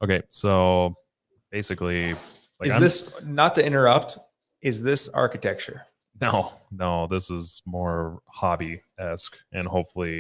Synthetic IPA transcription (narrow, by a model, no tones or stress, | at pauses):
ʔʊkʰeɪsoʊ | b̥eɪsɨkli | laɪɨzkaɪɪsnətʰɨɪ̃ɾ̃ə˞ʌp̚t | ʔɨzðɪsɑ̰ɹkɨtʰɛk̚t͡ʃə˞ | noʊnoʊðɪsɨz̥mɔɹhɑbi | ɛskʔɨ̃nhoʊpfl̩ˠi